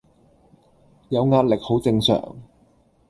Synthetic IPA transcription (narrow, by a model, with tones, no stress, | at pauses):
jɐ˨˧wŋaː˧t̚lɪ˨k̚ho˨˥wt͡sɪ˧ŋsœ̰ː˨˩ŋ